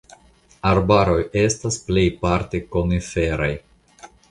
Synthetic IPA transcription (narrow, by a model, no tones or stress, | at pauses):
aɾbaɾo̞je̞stasple̞jpaɾtekonife̞ɾaj